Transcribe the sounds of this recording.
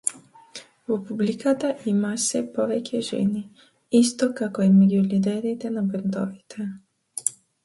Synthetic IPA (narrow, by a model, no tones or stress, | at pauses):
vɔpublikat̪aʔimasɛpɔvɛcɛʒɛ̰ni | ist̪ɔkakɔimɛɟulid̪ɛɾit̪ɛnabɛnd̪ɔvit̪ʰɛ